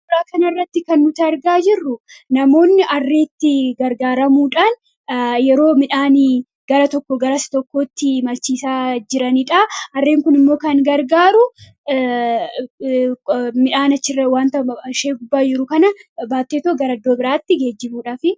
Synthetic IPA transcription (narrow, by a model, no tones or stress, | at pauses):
ɪɾaːkɐnɐɪrːɐt̪ːɪkɐnːʊt̪ɪɐɾɡaːd͡ʒɪrːʊnɐmo̞ːnːɪʔɐrːeːt̪ːɪɡɐɾɡaːɾɐmuːᶑaːn | jɛɾo̞ːmɪᶑaːn | ɡ̥ɐɾɐt̪ɔkːɔɡɐɾɐst̪ɔkːo̞ːt̪ːɪmɐlt͡ʃːiːsaːd͡ʒɪɾɐniᶑaɐrːeːŋkʊnɪmːo̞ːkɐŋɡɐɾɡaːɾʊ | mɪᶑaːnɐt͡ʃːɪrːɐwaːnt̪ɐʃeːɡʊbːaːd͡ʒɪɾʊkɐnɐbaːt̪ːeːt̪oːɡɐɾɐɐd̪ːo̞ːbɪɾaːt̪ːɪɡe̞ːd͡ʒːɪmuːᶑaːfɪ